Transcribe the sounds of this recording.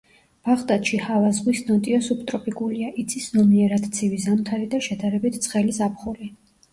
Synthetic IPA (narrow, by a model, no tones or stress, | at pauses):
b̥aχt̪ʼat̪ʃihavazʁwisnɔt̪ʼiɔsupʰt̪ʼɾɔpʼikʼuliaʔit̪sʰisnɔmiɛɾad̪ʰt̪sʰivizamt̪ʰaɾid̪aʃɛd̪aɾɛbit̪ʰt̪sʰʼχɛlisapʰχuli